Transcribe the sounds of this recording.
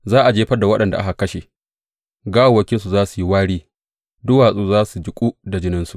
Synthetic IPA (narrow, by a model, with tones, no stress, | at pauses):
zaː˦ʔa˨d͡ʒeː˦ɸɐ˦da˨wɐ˦ɗɐ˨nda̰˨ʔa̰˦ka˨kɐ˦ʃe˨ | ɡaː˦ʔa˨wɐ˦kʲɪ˦nsu˨zaː˦su˨ji˦waː˦ɽiː˦ | dʊ˦waː˨sʼuː˦zaː˦su˨d͡ʒɪ˨kʷʼuː˦da˨d͡ʒɪ˦nɪ˦nsu˨ʔ